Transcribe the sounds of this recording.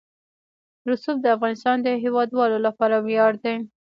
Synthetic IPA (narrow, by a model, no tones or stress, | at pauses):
ɾʊsuf̚d̪əafɣɑnɪst̪ɑnd̪əɦewɑd̪wɑlolapɑɾawjɑɽd̪e